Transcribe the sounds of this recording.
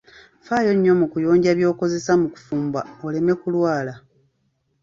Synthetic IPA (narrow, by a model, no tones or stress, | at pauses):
faːjo̞ɲːo̞mukujo̞ːɲɟaβjo̞ːko̞ze̞samuku̥fuːmbaole̞me̞kulwaːla